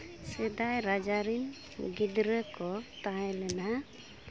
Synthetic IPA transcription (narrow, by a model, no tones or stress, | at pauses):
sɛd̪ajɾad͡ʒaɾin | ɡid̪ɾəkɔt̪aɦɛlɛna